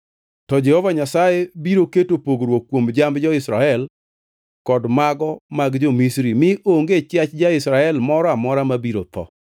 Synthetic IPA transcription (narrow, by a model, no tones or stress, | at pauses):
tɔd͡ʒɛhovaɲasajebiɾoketopoɡɾwokːwomd͡ʒambd͡ʒɔɪsɾaɛl | kɔdmaɡɔmaɡd͡ʒomisɾimɪʔoŋɡet͡ʃjat͡ʃd͡ʒaɪsɾaɛlmɔɾɔamɔɾamabiɾot̪ɔ̰